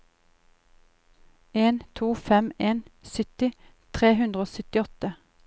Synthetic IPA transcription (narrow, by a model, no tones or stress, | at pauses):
eːnt̪ʰuːfɛmeːnsʏt̪ɪ | t̪ʰʁeːhʉnd̪ʁəoːsʏt̪ɪɔt̪ə